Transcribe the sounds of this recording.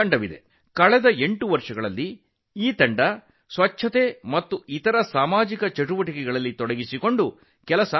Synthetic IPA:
ɐɳɖɐʋid̪e̞̰ | kɐɭɛd̪ɐe̞ɳʈuʋɐɾʂɐɡɐɭɐlːi | iːt̪ɐɳɖɐ | sʋɐt͡ʃʰːɐt̪emɐt̪ːuit̪ɐɾɐsaːmaːd͡ʒikɐt͡ʃɐʈuʋɐʈikɛɡɐɭɐlːit̪ɔɽɐɡisiko̞ɳɖu | kɛlɐsɐ

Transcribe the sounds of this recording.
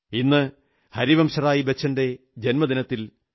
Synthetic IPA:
inːɨ | hɐɾiʋɐmɕɐraːjibet͡ɕːɐnde̞ | d͡ʑenmɐd̪inɐt̪ːil

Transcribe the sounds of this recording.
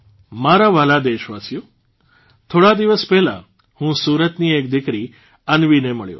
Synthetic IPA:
maɾaʋəlad̪eʃʋasijo | t̪ʰoɽad̪iʋəspɛɦla̰ | hũsuɾət̪niek̚d̪ikɾi | ənʋineməɭjo̰

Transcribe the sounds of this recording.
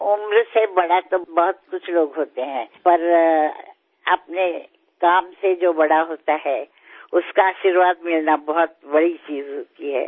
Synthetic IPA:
ʊmɾsebɐɽat̪obɔɦʊt̪kʊt͡ʃʰloːɡɦoːt̪eɦɛ̃ːpɐɾ | ɐp̚ne | kaːmsed͡ʒoːbɐɽaɦoːt̪aɦɛː | ʊskaaːʃiɾʋaːd̪mɪlnabɐɦʊt̪bɐɽit͡ʃiːzɦoːt̪iɦɛ̰ː

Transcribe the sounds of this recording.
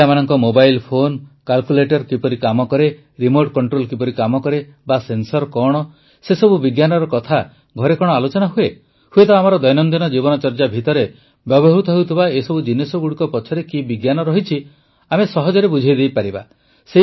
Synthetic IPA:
amanɔŋkɔmobajlpʰonkalkuleʈɔɾkipɔɾikamɔkɔɾe | ɾimoɾʈkɔɳʈɾolkipɔɾikamɔkɔɾe | basensɔɾkɔɽ̃ɔ | sesɔbubiɡjanɔɾɔkɔt̪ʰa | ɡʱɔɾekɔɽ̃ɔalot͡ʃɔnaɦue | huet̪ɔamaɾɔd̪ɔjnɔnd̪inɔd͡ʒibɔnɔt͡ʃɔɾd͡ʒabʱit̪ɔɾe | bjɔbɔɦɾut̪ɔɦewt̪ʰibaesɔbud͡ʒinesɔɡuɽikɔpɔt͡ʃʰɔɾekibiɡjanɔɾɔɦit͡ʃʰi | amesɔɦɔd͡ʒɔɾebud͡ʒʱajd̪ejpaɾiba̰ | se

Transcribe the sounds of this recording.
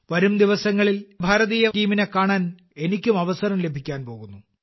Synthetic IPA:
ʋɐɾumd̪iʋɐsɐŋːɐɭilbʱaːɾɐðijɐtiːminekaːɳaːn | e̞nikʲːumɐʋɐsɐɾɐmle̞bʱikʲːaːnpo̞ːɣunːu

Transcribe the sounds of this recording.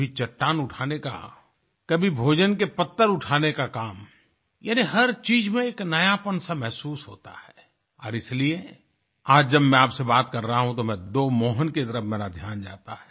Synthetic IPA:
it͡ʃɐʈːaːnʊʈʰaːneka̰ | kɐbʱibʱoːd͡ʒənkepɐt̪ːəɾʊʈʰaːnekakaːm | jaːniɦɐɾt͡ʃiːd͡ʒmẽeːknɐjapənsamɛɦsuːsɦoːt̪a̰hɛː | ɔ̰ːɾɪslie | aːd͡ʒd͡ʒɐbmɛ̃aːpsebaːt̪kɐɾːəɦaɦũt̪omɛ̃d̪oːmoːɦənket̪əɾəfmeːɾad̪ʱjaːnd͡ʒa̰ːt̪aɦɛː

